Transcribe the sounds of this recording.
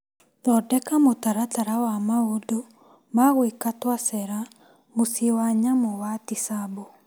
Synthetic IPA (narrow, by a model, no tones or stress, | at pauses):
dɔdɛkamotaɾataɾawamaodo | maɣwekatwasɛɾa | mosewaɲamɔwatisabo